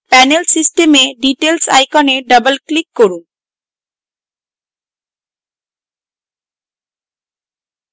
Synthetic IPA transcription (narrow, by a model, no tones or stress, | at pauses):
pɛnelsisʈemeɖiʈelsa̰jkɔneɖʌbalklikːoɾu